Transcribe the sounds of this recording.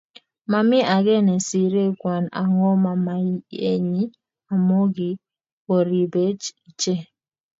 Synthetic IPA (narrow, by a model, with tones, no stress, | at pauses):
ma˨mɪ˦ʔa˨ɡɛ˦nɛ˨si˨ɾe˦˨kwa˨na̰˨ŋɔ˦ma˨ma˨˦e˨ɲi˦ | a˨mo˦ɡi˨ | o˨ɾi˨be˦t͡ʃi˨t͡ʃe˦˨